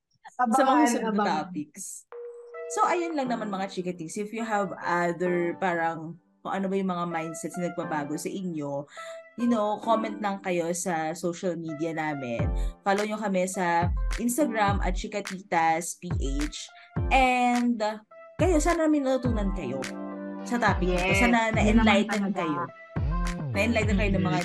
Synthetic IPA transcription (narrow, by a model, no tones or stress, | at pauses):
msɐmɐasɐt̪aːpɪks | soʔɐjonlɐŋnɐmanmɐŋat͡ʃikɐt̪ɪŋsʔɪfjuɦɐvaðɛɹpaːɾɐŋ | kʊŋʔɐnobɐjʊŋmɐŋamajnd̪sɛt̪snɐnɐɡ̚bɐbaːɡosɐʔɪɲo̞jʊnowkomɛnt̪lɐŋkɐjo̞sɐsowʃɐlmid̪iɐnaːmɛ̰nfaːloɲokɐmɛsɐʔɪnst̪ɐɡɹamʔɐ̰t̪̚t͡ʃɪkɐt̪iːt̪ɐspiːʔejt͡ʃ | ʔɛnd̪ | kɐjo̞saːnɐnaːmɪŋnɐt̪ut̪uːnɐnkɐjo̞sɐt̪aːpɪk̚nɐt̪osaːnɐnɐʔɛnlajt̪ɛnkɐjo | nɐʔɛnlajt̪ɛd̪kɐjonɐŋmɐŋa